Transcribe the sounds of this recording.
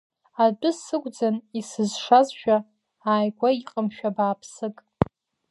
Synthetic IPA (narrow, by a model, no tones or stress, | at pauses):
adʼʊsɨɡʷʼd͡zanisɨzʂazʃᶣa | aːjɡʷaiqʼəmʃᶣabaːpʰsɨkʼ